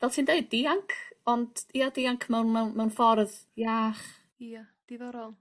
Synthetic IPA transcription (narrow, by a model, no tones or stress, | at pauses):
vɛltʰiːndeɨd̚ːiaŋkʰɔndiːɔdiaŋkʰmɛwnmɛwnmɛwnfɔrðjaːχ | ia | d̥ivɔɾɔlˠ